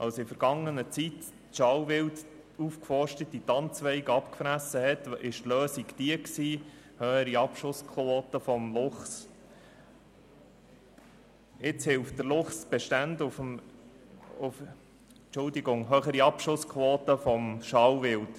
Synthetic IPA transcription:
ʔɑ̰lsɪfəɾɡɑŋːənət͡sit | ʃɑwʋɪlt | ufkfɔɾʃtətːit̪ɑnt͡sʋɛɪɡɑpkfɾæsːəhɛt̪ɪʃtløːsiɡd̥iəksiː | hœːəɾiɑpʃʊskʰoːtəfɔmlʊχs | ɪt͡shɪlft̚d̥əɾlʊχsb̥eʃtændʊfm | ʊf | t͡ʃʊldiɡʊŋɦœːχəɾiɑpʃʊskʰʋoːt̪əfɔmʃɑwʋɪlt

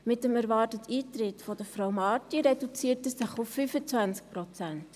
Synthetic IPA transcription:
mɪtəmæɾvɑːrtətʰiːtɾɪtfɔd̥əfɾawmɑːtiɾɛdut͡siːətəsɪχʊfːyfət͡sʋænsk̚pɾɔt͡sɛnt

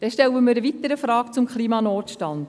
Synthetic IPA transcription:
d̥ɛnʃtɛləmiːɾəʋit̪əɾəfɾɑːkt͡sʊmkχliːmɑnɔːtʃtɑnd

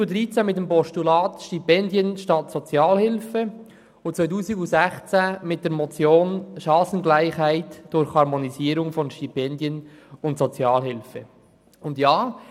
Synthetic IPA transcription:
udɾiːt͡sɛmɪt̚dɛmpɔʃtulɑːtʃtipɛndjənʃtɑtsot͡sjɑːlhɪlfə | ʊtt͡sʋaɪtuːziɡʊzɛχt͡sæmɪt̚d̥ɛːɾmɔt͡sjoːnʃɑːsən̩ɡlaɪχhæɪtd̥ʊɾxhɑɾmoniziːɾʊŋfɔnʃtipɛndjənʊntsot͡sjɑːlhɪlfə | ʊndjaː

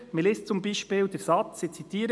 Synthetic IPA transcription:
mɪleːst͡sʊmbiːʃpiːldɛɾsɑt͡sːit͡sit̪ʰiːəɾə

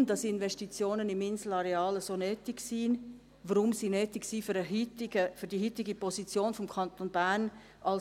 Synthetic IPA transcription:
md̥ɑsɪnʋɛʃtit͡sjoːnənɪmɪnsl̩ɑɾeɑːləsoːnøːtɪksiːn | ʋəɾʊmsinøːtɪksiːfyɾəɦytɪɡəfyɾd̥iɦytɪɡipɔsit͡sjoːnfɔmkʰɑnt̪onbæɾn | ʔɑl

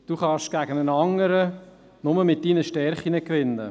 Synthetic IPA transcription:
d̥uːχɑʃɡ̥æɡ̥ənənɑŋəɾə | nʊməmɪt̚d̥iːnəʃtɛɾχinəkʋɪnːə̰

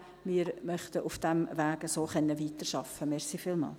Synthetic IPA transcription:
miːɾmœχtəʔufd̥ɛmʋæːɡəsoːχɛnːəviːtərʃɑfəmɛʁsifiːlmɑ̰ːl

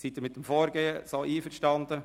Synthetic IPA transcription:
sit̪əɾmɪt̪̚ːəmfoːɾɡeːəsoːʔiːfəɾʃtɑnd̪ə

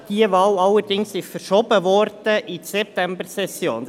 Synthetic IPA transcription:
d̥iəʋɑːlɑlːəd̥ɪŋsɪʃfəɾʃɔbəʋɔrd̥əʔisɛp̚t̪æmbəɾsɛsjo̰ːn

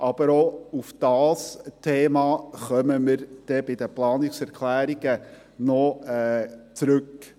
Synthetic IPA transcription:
ʔɑb̥əɾoufd̥ɑːstʰeːmɑːχœməməɾd̥ɛbɪd̪əplɑːnɪksɛɾkʰlæːɾiɡə | nɔɛːt͡sɾʉk

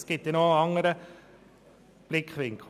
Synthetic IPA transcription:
skɪt̪jənoɑŋəɾə | b̥lɪkχʋɪŋkʰl

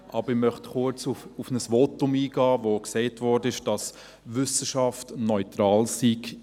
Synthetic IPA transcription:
ʔɑb̥əɾɪmœχtχʊt͡sufufnəsʋotʊmiːɡɑːvoksɛɪtʋɔɾdəɪʃd̥ɑs | ʋʏsəʃɑftnɔʏtɾɑːlsiɡ

